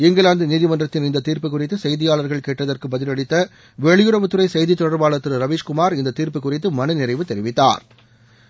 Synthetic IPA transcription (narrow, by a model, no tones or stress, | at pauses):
ɪŋɡɐɭaːnd̪ɯniːðɪmɐndrɐt̪ːɪnɪnd̪ɐt̪ːiːɾpɯkːʊrɪt̪ːɯsɛjðɪjaːɭɐɾɣɐɭkeːʈrɐðɐrkɯbɐðɪlɐɽɪt̪ːɐ | ʋɛɭɪjɯɾɐʋɯt̪ːɯɾɐɪsɛjðit̪ːɔɽɐɾbaːɭɐt̪ːɯɾɯɾɐʋiːʂkʊmaːɾɪnd̪ɐt̪ːiːɾpɯkːʊrɪt̪ːɯmɐnɯnɪrɐɪʋɯt̪ɛɾɪʋɪt̪ːa̰ːɾ